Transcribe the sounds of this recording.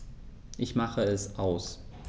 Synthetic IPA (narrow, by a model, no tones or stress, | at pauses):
ʔɪçmaχəɛsʔaʊs